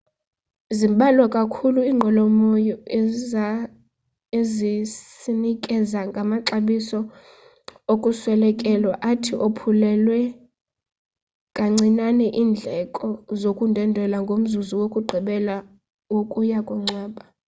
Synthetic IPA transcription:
zimɓʱʼalwɔkʼakʰuluiːŋ͡ǃʱɔlɔmojɔ | eziinikʼɛzaŋɡʱamaǁaɓisɔ | okʼuswɛlɛkʼɛlwaʔatʰiʔopʰulɛlwɛ | kʼaŋ͡ǀinanɛʔiːnd͡ɮʱɛkʼɔzokʼundʱɛndʱɛlaŋɡʱom̩zuzuwokʼuɡ͡ǃʱiɓɛla | wokʼujakʼuŋ͡ǀaːɓa

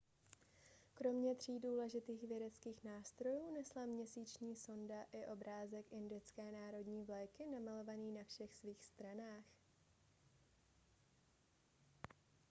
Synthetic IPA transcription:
kɾo̞mɲɛt̪r̝̥iːduːlɛʒɪt̪iːxvjɛdɛt͡skiːxnaːst̪ɾo̞juːnɛslamɲɛsiːt͡ʃɲiːso̞ndaʔɪʔo̞bɾaːzɛkʔɪndɪt͡skɛːnaːɾo̞dɲiːvlɛjkɪnamalo̞vaniːnafʃɛxsviːxst̪ɾanaːx

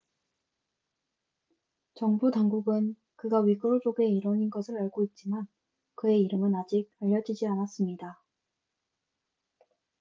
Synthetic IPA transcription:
t͡ɕʌŋbutaŋɡuɡɯn | kɯɡaɥiɡʌd͡ʑ͈oɡe̞iɾʌɲinɡʌsʰɯɾaɭɡoit̚t͡ɕ͈iman | kɯe̞iɾɯmɯnad͡ʑiɡ̚aʎːʌd͡ʑid͡ʑianas͈ɯmɲida

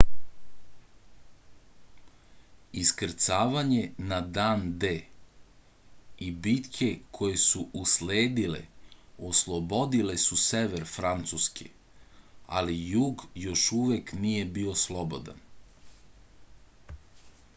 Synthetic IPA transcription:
iskɾ̩t̪saːʋaɲenad̪aːnd̪eː | ibit̪kʰe̞kʰo̞je̞suʔusleːd̪ilḛoslˠobo̞d̪ile̞suseʋeɾfɾant̪suskʰḛ | a̰lijuːɡjo̞ʃuʋeknije̞bio̞slˠo̞bo̞d̪a̰n

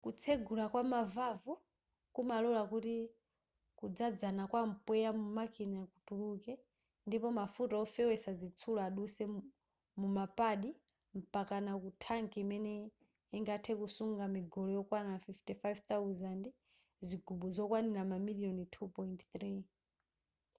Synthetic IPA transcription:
kut͡sʰɛɡulakwamavavu | kumalɔlakuti | kud͡zad͡zanakwam̩pɛjamumakinakutulukɛ | ndipɔmafutaɔfɛwɛsazit͡sʰulɔaɗusɛ | mumapaɗi | m̩pakanakutʰaŋkʰiimɛnɛ | iŋɡatʰɛkusuŋɡamiɡɔlɔjɔkwanafiftifajvθawuzandi | zʷiɡuɓuzɔkwaniɾamamiliɔnitʰupɔintθɾi

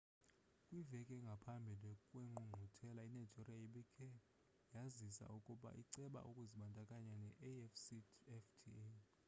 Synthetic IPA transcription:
kʼwivɛkʼɛŋɡʱapʰambʱilekʼweŋ͡ǃʱuŋ͡ǃʱutʰɛlainajd͡ʒʱiriaiɓikʰʼɛ | jazisa̰ʔukʼuɓa̰ʔiǀɛɓa̰ʔukʼuziɓandʱʼakʼaɲanɛʔɛfsiɛftʰi

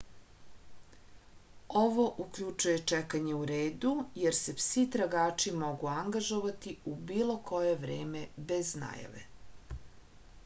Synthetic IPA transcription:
oʋoʔukʎut͡ʂuje̞t͡ʂɛkaɲe̞uɾeːd̪ujeɾse̞fsit̪ɾaɡaːt͡ʂimo̞ɡuaŋɡaʒoʋat̪iubiːlˠo̞kʰo̞jeʋɾeːmebezna̰ːja̰ʋḛ

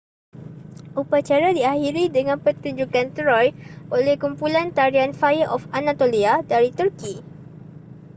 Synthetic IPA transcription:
ʔupat͡ʃaɾadiahiɾidəŋãnpərt̪uɲd͡ʒukant̪ɾɔjʔolɛhkumpulant̪aɾianfajəʔɔfanat̪oliadaɾit̪urki

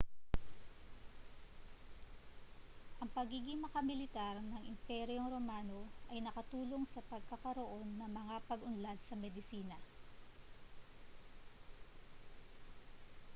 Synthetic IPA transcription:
ʔɐŋpɐɡiːɡɪŋmɐkɐmɪlɪt̪aɾnɐŋʔɪmpɛɾjo̞ŋɾo̞maːno̞ʔɐjnɐkɐt̪uːlo̞ŋsɐpɐɡ̚kɐkɐɾo̞ʔo̞nːɐŋmɐŋapɐɡʊnlad̪sɐmɛd̪ɪsiːnɐ

